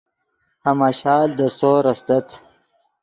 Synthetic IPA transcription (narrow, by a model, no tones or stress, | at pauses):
hamaɕɑːld̪əsoːɾɐsd̪ɐt̪ʰ